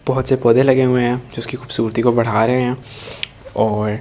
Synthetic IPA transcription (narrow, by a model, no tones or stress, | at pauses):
b̥ɔɦʊt̪sepɔːd̪elɐɡeɦʊẽɦɛ̃d͡ʒoʊskixuːbsuːɾt̪ikobɐɽ̤aːɾɐɦeɦɛ̃ː | ɔːɾ